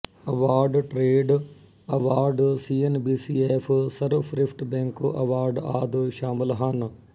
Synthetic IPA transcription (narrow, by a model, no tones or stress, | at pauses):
ɐʋaːɾɖʈɾeːɖ | ɐʋaːɾɖsiːenbiːsiːeːfʰsɐɾfɾɪfʰʈbẽːŋkɐ̰ʋaːɾɖaːd̪ʃaːmɪlɦaːn